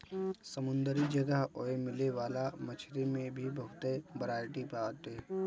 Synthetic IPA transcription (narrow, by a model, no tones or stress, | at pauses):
səmʊ̃nd̪əɾid͡ʒəɡəɦoːemɪleʋaːlamət͡ʃʰɾemẽbʱibəɦʊt̪ebəɾaːɪʈipaːt̪eː